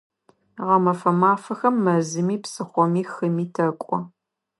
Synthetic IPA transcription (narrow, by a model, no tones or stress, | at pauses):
ʁɐmɐfɐmaːfɐxɐmːɐzɨmiːpsɨχʷɔmiːxɨmiːtʰɐkʷʼɔ